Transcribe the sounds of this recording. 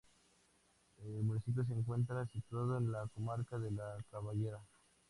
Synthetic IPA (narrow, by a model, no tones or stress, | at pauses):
elmunisip̬jo̞s̬eːŋk̬we̞nt̪̬ɾasit̪wað̞o̞enlako̞maɾkaðe̞lakaβaʝe̞ɾa